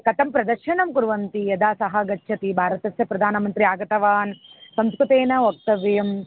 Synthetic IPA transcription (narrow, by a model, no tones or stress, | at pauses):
kɐt̪ɐmpɾɐd̪ɐɾʃɐnɐmkuɾʋɐnt̪ijɐd̪aːsɐɦɐɡɐt͡ʃːʃʰɐt̪ibʱaːɾɐt̪ɐsjɐpɾɐd̪ʱaːnɐmɐnt̪ɾiaːɡɐt̪ɐʋaːnsɐmskɾut̪eːnɐok̚t̪ɐʋɐjɐm